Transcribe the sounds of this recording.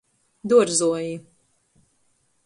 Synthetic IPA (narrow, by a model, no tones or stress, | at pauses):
d̪uɔɾzuɔji